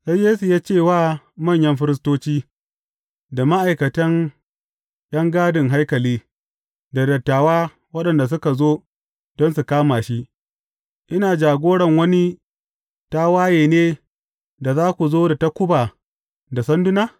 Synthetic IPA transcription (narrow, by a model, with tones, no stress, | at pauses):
sa˦jeː˦su˨jaː˦t͡ʃeː˦˨waː˦˨ | mɐ˦˨ɲjɐ˦mɸɪ˦ɾɪ˦s̬toː˦t͡ʃiː˦ | da˨ma˦ʔa˨jkɐ˨tɐ˦n | ɗ̰ɐ˦ŋɡaː˦dɪ˨ŋɦa˦jkɐ˨liː˦ | da˨dɐ˨tːaː˨waː˦ | wɐ˦ɗɐ˨nda˨s̬ʊ˦ka˨zoː˦ | d̥ɔ˦nsu˨kaː˦maː˨ʃi˦ | ʔɪ˦naː˨d͡ʒaː˨ɡʷoː˦ɽɐ˨ŋwɐ˦ni˦ | ta˦waː˦jeː˨neː˦ | da˨zaː˦kʷu˨zoː˦da˨ta˦kʷʊ˦baː˨ | da˨sɐ˦ndʊ˦naː˦